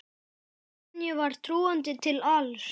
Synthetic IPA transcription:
njɛvaɾ̥t̪ʰɾuːant̪ɪt̪ʰɪlals

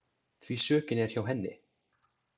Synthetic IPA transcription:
θvisœːcɪnɛɾ̥çawɦɛnːɪ̰

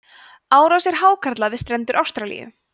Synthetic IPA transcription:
aːwɾasɛɾ̥ɦaːwkʰaɾt̪laðɪst̪ɾɛnt̪ʏɾʔawst̪ɾalḭjʏ̰

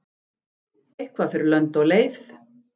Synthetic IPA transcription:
ejhkvafɪɾɪɾlœnt̪ɔɣleːjθ

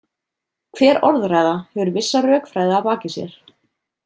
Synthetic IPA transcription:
kʰv̥ɛːɾɔɾðraːjðahɛvʏɾvɪsːarœːkfɾaːjðaːpaːcɪsjɛ̰ɾ̥

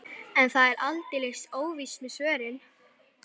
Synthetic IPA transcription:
ɛnθaðɛɾʔa̰lt̪ɪlest̪oːwvismʏsœːɾɪn

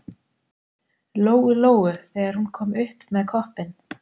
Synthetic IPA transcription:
loːwɣʏloːwʏθɛːɣaɾ̥hunkʰɔːmʏhpmɛðkʰɔhpɪn

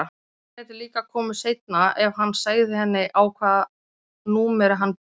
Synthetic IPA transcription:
ɛt̪ɪliːkakʰɔːmʏ̥sejt̪naɛvɦanːsaːɣðɪhɛnːɪʔawkʰvaːð | nuːmɛɾɦanːp

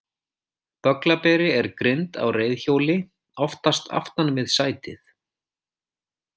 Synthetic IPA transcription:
t̪œklapɛːɾɪɛɾkɾɪnt̪a̰wreːjðçoːwlɪ | ɔft̪ast̪ʰa̰ft̪anvɪðsaːjt̪ɪθ

